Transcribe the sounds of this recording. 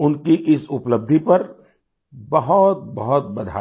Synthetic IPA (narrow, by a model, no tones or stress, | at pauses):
ʊnkiʔɪsʊpləb̚d̪ʱipɐɾ | bɐɦɔt̪̚bɐɦɔt̪̚bɐd̪ʱa̰ː